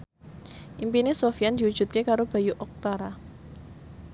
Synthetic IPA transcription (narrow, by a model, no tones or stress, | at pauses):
ʔimpinesofijand̪iud̥d͡ʒ̥ṳt̪̚kekaɾob̥a̤juʔɔk̚t̪aɾa